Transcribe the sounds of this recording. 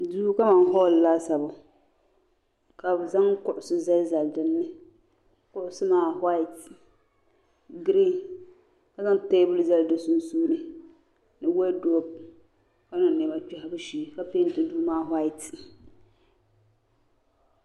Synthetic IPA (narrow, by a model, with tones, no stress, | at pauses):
duː˦ka˦ma˨n˦ɦɔ˦˨llaː˦sa˨bʊ˨ | ka˨bza˦ŋkʊ˦ʔʊ˨sʊ˦za˦lza˨ldɨ˨nːɨ˦ | kʊ˦ʔʊ˦sɨ˦maː˦˨ha˦ɪ˨t | ɡɾi˦ | ka˦za˦ŋte˦bʊ˦lza˦ldɨ˨su˦nsuː˦nɨ˨ | nɨ˨wɛ˦do˦b̚ | ka˦nʊ˨nːɛ˨ba˨t͡ʃi˦ha˦bɨ˦ʃi˨ka˦pe˦n˦tɪ˨˦duː˦maː˦ɦwa˦ɪ˨t